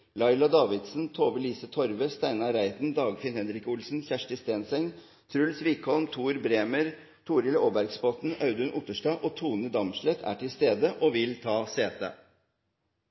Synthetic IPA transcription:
lɑɪlɑd̪ɑːʋɪd̪sn̩t̪ʰoːʋəliːsət̪ʰɔɾʋəst̪æɪnɑɾæɪt̪nd̪ɑːɡfɪnhɛnɾɪkʊlsn̩çæʂʈəst̪eːnsɛŋ | t̪ʰɾʉlsʋiːkʰɔlmt̪ʰuːɾbɾeːməɾ | t̪ʰuːɾɪləoːbæɾɡspɔt̪n̩ɑʉd̪ʉnʔʊt̪əʂʈɑːʔoːt̪ʰuːnəd̪ɑmʂlɛt̪ʰæ̰ːʈʰɪlst̪eːd̪əʔoːʋɪlt̪ʰɑːseːt̪ə̰

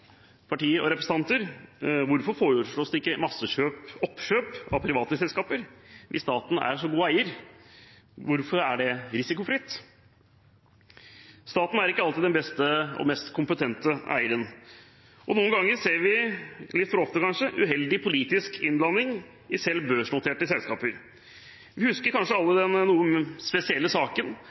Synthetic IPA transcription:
pʰɑʈiːəɾʔɔ̰ɾɛpɾɛsn̩ɑnt̪əɾʋʊɾfɔɾfoːɾʂɭoːsd̪ɛɪkːəmɑsːəɕøːpɔpːʃøːpɑ̰pʰɾɪʋɑːt̪əsɛlskɑːpəɾʋʔɪ̰sːt̪ɑːt̪n̩æ̰ɾʂɔɡuːəæɪəɾ | ʋʊɾfɔɾæɖɛɾɪsɪkʊfɾɪt̪ː | st̪ɑːt̪n̩æɾɪkːəɑlɪd̪ɛbɛst̪əɔ̰mɛst̪kʰʊmpət̪ʰɛnt̪əæ̰ɪəɾən | ʔɔnuːənɡɑŋːəɾseːɾʋɪlɪt̪ːfɔɾɔft̪əkʰɑnʂəʔʉ̰ɦɛld̪ɪpʰʊliːt̪ɪskʰɪnblɑnːɪŋ | ɪsɛlːbøːʂnʊt̪ʰeːʈəsɛlskɑːpəɾ | ʋɪhʉskəɾkʰɑnʂəɑlːəd̪ɛnnuːəspɛsɪɛlːəsɑːkən

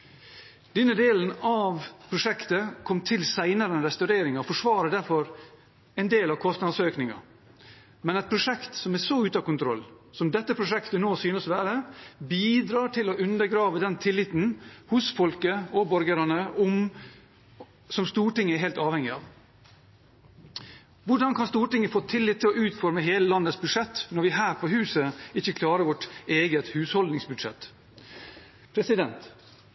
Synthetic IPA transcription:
d̪̥ɛnːəd̪eːlənɑʋpʰɾʊʂɛkt̪əkʰɔmːt̪ʰɪlsæɪnɑɾənɾɛst̪ɑʉɾeːɾɪŋɑɔfɔʂʋɑːɾəd̪æɾfɔɾ | ɛɪnd̪eːlɑʋkʰɔst̪nɑd̪søːknɪŋɑ̰ | mɛnɛɪt̪̚pʰɾʊʂɛkt̪sɔmæsɔʉːt̪ɑkʊnt̪ʰɾɔlː | sɔmd̪ɛt̪ːəpʰɾʊʂɛkt̪ənoːsyːnəsʋæːɾəbiːd̪ɾɑːʈʰɪlɔʔʉnd̪əɾɡɾɑːʋəd̪ɛnt̪ʰɪlːɪt̪n̩hʊsfɔlkəɔbɔɾɡəɾɑnəʔɔm | sɔmst̪uːʈɪŋːəɛɾɦeːlt̪ɑːʋhɛŋɪɑːʋ | ʋʊɖɑnkʰɑnst̪uːʈɪŋːəfoːt̪ʰɪlːɪt̪ʰːɪlɔʉːt̪fɔɾməɦeːləlɑnːəsbʉd̪ʂɛt̪ːnɔɾʋɪɦæːɾpʰɔɦʉːsəɪçːəkʰlɑːɾəʋɔʈeːɡət̪hʉːshɔld̪nɪŋsbʉd̪ʂɛ̰t̪ː | pʰɾɛsɪd̪ɛnt̪

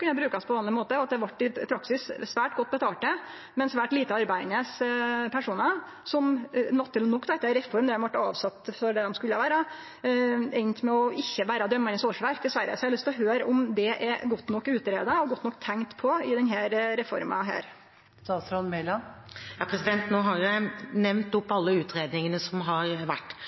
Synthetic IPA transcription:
kʰʉnəɛbɾʉːkɑspʰɔʋɑːnɪmoːt̪əɔɑt̪̚d̪ɛʋɑʈːɪpʰɾɑksɪssʋæːʈɡɔt̪̚ːbət̪ʰɑːʈə | mɛnsʋæːʈliːt̪əɑɾbæɪd̪nəspʰæʂuːnɑ | sɔmnɔt̪ʰːɪlnɔkːd̪æɪt̪ːɛɾɛfɔɾmd̪ɛhɛʋɑʈːɑːʋsɑt̪ːfɔɾɖɛd̪ɔmskʉlːəʋæːɾɑ | ɛɪnt̪mɛɔɪçːəʋæːɾɑd̪œmːɑnəsoːʂʋæɾk̚d̪ɛsʋæɾːə̰sɔhæhlʏst̪ːɔɦøːɾɔmd̪ɛʔɛɾɡɔt̪ːnɔkːʉːt̪əɾeːd̪ɑɔɡɔt̪ːnɔkːt̪ʰæŋt̪pʰɔɪd̪ɛnɦæːɾɾɛfɔ̰ɾmɑ̰ɦæ̰ːɾ | sɑɾɔnmɛlɑjɑːpʰɾɛsɪd̪ɛnt̪noːɦɑɾjæɪnɛʋnt̪ɔpːɑlːəʉːt̪ɾeːd̪nɪŋənəsɔmɦɑɾʋæʈː

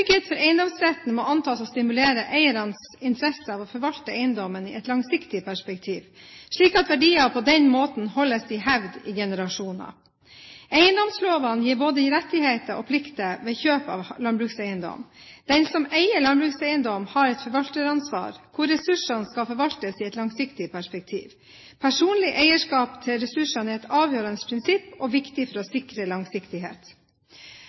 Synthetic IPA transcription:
ʏɡheːt̪fɔɾʔæɪənd̪ɔmsɾɛt̪n̩mɔɑnt̪ʰɑːsɔst̪ɪmʉleːɾəʔæɪəɾɑnsɪnt̪ʰɾɛsəɑʋɔfɔɾʋɑlt̪əæɪənd̪ɔmənɪ̰ɛt̪lɑŋsɪkt̪ɪpʰæʂpɛk̚t̪ʰiːʋʂɭiːkɑt̪ʋæɖiːɑpʰɔd̪ɛnmoːt̪n̩hɔlːəsd̪ɪɦæʋd̪ɪ̰ɡɛnəɾɑʂuːnɑ̰ | æɪənd̪ɔmsloːʋɑnjiːɾboːd̪əɪɾɛt̪ːɪheːt̪əʔɔ̰pʰlɪkt̪əʋeːçøːpɑ̰ːʋlɑnbɾʉksæɪənd̪ɔ̰md̪̥ɛnsɔmæɪəlɑnbɾʉːksæɪənd̪ɔmhɑɾɛt̪fɔɾʋɑlt̪əɾɑnsʋɑ̰ːɾkʰʊɾɛsʉʂɑnskɑfɔɾʋɑlt̪əsɪɛt̪lɑŋsɪkt̪ɪpʰæʂpɛk̚t̪ʰḭːʋ | pʰæʂuːnlɪʔæɪəʂkɑːpt̪ʰɪlɾɛsʉʂɑnɪɛt̪ɑːʋjøːɾɑnəspʰɾɪnsɪpːɔʋɪkt̪ɪfɔɾɔsɪkɾəlɑŋsɪkt̪ɪɦḛːt̪

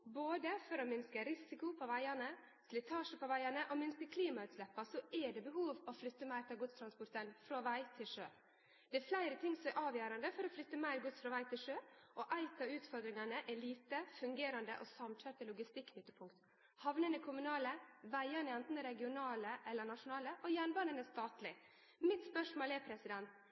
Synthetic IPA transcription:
boːd̪əfɔɾɔmɪnskəɾɪsɪkʊpʰɔʋæɪɑnə | sklɪt̪ʰɑːʂəpɔʋæɪɑnəʔɔmɪnskəkʰliːmɑʉːt̪slɛpːɑsɔɛɖɛbəɦuːʋɔflʏt̪ːəmæɪɾt̪ʰɪlɡʊst̪ʰɾɑnspɔɾt̪ʰɛnfɾoːʋæɪt̪ʰɪlʂø̰ː | d̪̥ɛæɾflæɪɾət̪ʰɪŋːsɔmɛʔɑːʋjøːɾɑnd̪əfɔɾɔflʏt̪ːəmæɪɾɡʊsfɾɔʋæɪt̪ʰɪlʂøːʔɔʔæɪt̪ɑʉːt̪fɔɾd̪ɾɪŋɑnəʔɛliːt̪əfʉŋɡeːɾɑnd̪ə̰ʔɔsɑmtʰœɾt̪ːəlʊɡɪst̪ɪkːnʏt̪ːəpʰʊŋkt̪ | hɑʋnənəkʰʊmʉnɑːləʋæɪɑnəɛnt̪n̩əɾɛɡɪʊnɑːləʔɛlːəɳɑʂʊnɑːləʔɔjæːɳbɑnənəst̪ɑːt̪lɪ | mɪt̪spœʂmoːlɛpʰɾɛsɪd̪ɛnt̪

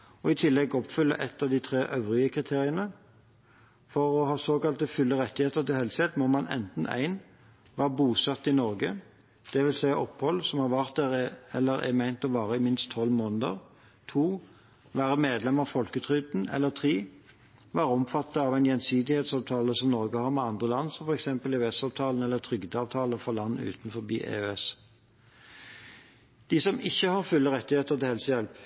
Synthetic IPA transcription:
ɔɪt̪ʰɪlːɛɡɔpfʏlːə̰ʔɛt̪ːɑʋd̪it̪ʰʁeːʔœʋʁɪəkʰʁɪt̪ʰeːʁɪənə | fɔʁɔhɑːsoːkɑlt̪əfʉlːəʁɛt̪ːɪheːt̪əʁt̪ɪlhɛlsheːt̪mɔmɑnʔɛ̰nt̪n̩æ̰ɪn | ʋæːʁəbuːsɑt̪ːɪnɔɾɡə | d̪̥ɛʋɪlsæɪəʔɔpːhɔlːsɔmhɑʁʋæʁt̪̚æʁɛ̰lːəɾɛ̰mæɪnt̪ɔʋɑːʁəɪmɪnst̪ʰːɔlmoːnəd̪ə̰ʁ | t̪ʰuː | ʋæːʁəmeːd̪lɛmɑfɔlkət̪ʰʁʏd̪n̩ɛ̰lːəʁt̪ʰʁiː | ʋæːɾɔmfɑt̪ːəɑʋæɪnjɛnsiːd̪ɪheːt̪sɑːʋt̪ʰɑːləsɔmnɔʁɡəhɑːʁmɛɑnd̪ʁəlɑnːsɔmfɔʁɛksɛmpəlɛøɛsɑːʋt̪ʰɑːln̩ɛlːəʁt̪ʰʁʏɡd̪əɑːʋt̪ʰɑːləfɔlɑnːʉ̰ːt̪n̩fɔbḭːʔḛøɛs | d̪̥ɪsɔmɪçːəhɑʁfʉlːəʁɛt̪ːɪheːt̪əʁt̪ʰɪhɛlsəjɛlp

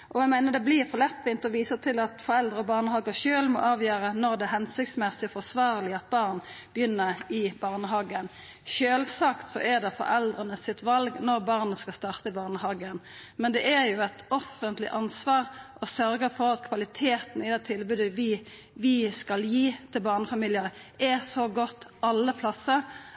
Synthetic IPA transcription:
ʔɔæɪmæɪnəd̪ɛblɪʁfɔlɛt̪ːʋɪnt̪ɔʋiːsət̪ʰɪlɑt̪fɔɾɛld̪ʁəɔbɑːʁnəhɑːɡəʃøːlmɔ̰ʔɑːʋjøːɾʁənɔʁd̪ɛɦɛnsɪk̚t̪smɛsɪɔfɔsʋɑːʁlɪɑt̪̚bɑːʁnb̥jʏnːəʁɪbɑːʁnəɦɑːɡən | ʃøːlsɑːkt̪sɔ̰ʔɛʁd̪ɛfɔ̰ɾɛld̪ʁənəsɪt̪ʋɑlɡnɔʁbɑʁnəskɑst̪ɑːʁt̪əɪbɑːʁnəɦɑɡən | mɛnd̪ɛʔæɾjʊɛt̪ɔfənt̪lɪ̰ʔɑnsʋɑːʁʔɔsœɾɡəfɔɾɑt̪kʰʋɑlɪt̪ʰeːt̪n̩ɪd̪ɛt̪ʰɪlbʉːd̪əʋɪ | ʋɪskɑljiːt̪ʰɪlbɑːʁnəfɑmiːljəʁʔɛsoɡɔt̪ːɑlːəpʰlɑsə

